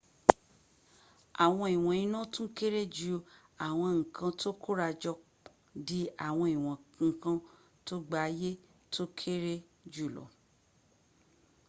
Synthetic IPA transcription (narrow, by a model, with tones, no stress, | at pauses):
a˨w̃ɔ̃˧i˨w̃ɔ̃˨ĩ˧nũ˦tũ˦ke˦ɾe˦d͡ʒu˦ | a˨w̃ɔ̃˧ŋ̩˨kʰã˧to˦kʰo˦ɾa˧d͡ʒɔ˧ | di˦a˨w̃ɔ̃˧i˨w̃ɔ̃˨kã˧ | to˦ɡ͡ba˦˧je˦ | tʰo˦kʰe˦ɾe˦ | d͡ʒu˦˨lɔ̰˨